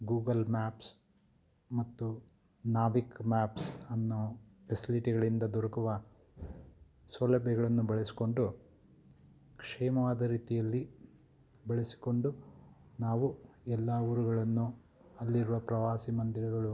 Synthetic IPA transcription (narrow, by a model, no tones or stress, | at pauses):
ɡuːɡɐlmaːps | mɐt̪ːu | naːbikmaːpsɐnːufesiliʈiɡɐɭind̪ɐd̪ɔɾɐkuʋɐ | solɐbjɐɡɐɭɐnːubɐɭesi̥ko̞ɳɖu | kʂɛːmɐʋaːd̪ɐɾiːt̪ijɐlːi | bɐɭesi̥ko̞ɳɖunaːʋuɛlːauɾuɡɐɭɐnːu | ɐlːiɾuʋɐpɾɐʋaːsimɐnd̪iɾɐɡɐɭu